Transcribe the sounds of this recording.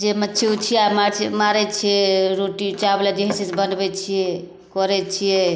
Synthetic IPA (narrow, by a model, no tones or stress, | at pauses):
d͡ʒemətːt͡ʃʰeut͡ʃʰijamaɾt͡ʃʰimaɾɛt͡ʃʰijɛɾoʈit͡ʃabelad͡ʒeɦisesbənbɛt͡ʃʰijɛ | kɔɾɛt͡ʃʰijɛ